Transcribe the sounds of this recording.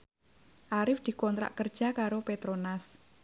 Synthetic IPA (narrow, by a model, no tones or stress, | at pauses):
ʔaɾɪfd̪̥i̤kɔnt̪ɾa̰ʔkərd̥ʒ̥a̤kaɾopet̪ɾonas